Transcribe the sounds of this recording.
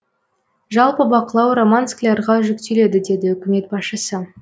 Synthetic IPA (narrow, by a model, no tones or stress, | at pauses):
ʒɑlˠpəbɑqəlˠɑwro̞mansklʲɑɾʁɑʒʏkt̪e̞le̞d̪ɪd̪e̞d̪ɪʏkʲɪme̞t̪̚bɑsʃəsə